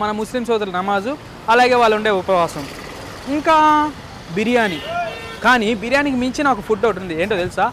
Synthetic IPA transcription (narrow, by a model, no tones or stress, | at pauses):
mɐnɐmuslimsɔːd̪ɐɾlɐnɐmaːzu | ɐlaːɡe̞ːʋaːɭːuɳɖe̞ːupɐʋaːsɐm | iŋkaː | biɾijaːni | kaːnibiɾijaːnik̬imiɲt͡ʃinaːkupʰuʈːouʈund̪ieːɳʈoːt̪elisaː